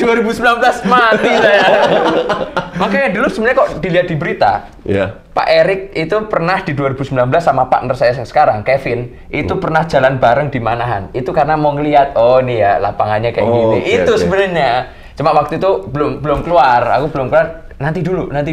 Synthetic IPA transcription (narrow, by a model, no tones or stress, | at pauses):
d̥uaɾibusəmbilanbəlasmat̪isaja | makajadulusəbənəɲakɔʔd̥iliɦat̪̚dibəɾit̪a̰ | pa̰ʔeɾɪk̚it̪upərnahd̥iduaɾibusəmbilanbəlasːamapa̰ʔnərsajasə̥kaɾaŋkefɪn | ʔit̪upərnahd͡ʒalanbaɾəŋdimanaɦa̰nit̪ukaɾənamɔŋəliat̪̚ɔnijala̰paŋanɲakajɡiniʔit̪usəbənərɲa | t͡ʃəmaʔwak̚t̪uit̪ub̥əlʊmbəlʊmkluara̰kubəlʊmkəluar | nant̪idulunant̪i